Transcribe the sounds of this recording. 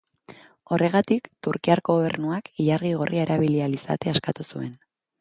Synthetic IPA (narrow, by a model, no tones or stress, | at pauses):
o̞re̞ɣ̞at̪ikt̪uɾkiaɾɣooβe̞̰ɾnuakiʎarɣiɣ̞orʔiaeɾaβilialisa̰t̪e̞askat̪usue̞n